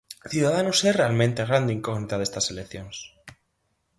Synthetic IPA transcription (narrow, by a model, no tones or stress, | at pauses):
θjuðaðanoserealmẽnt̪eaɣ̞ɾand̪eiŋkoɣnit̪að̞est̪aselekθjoŋs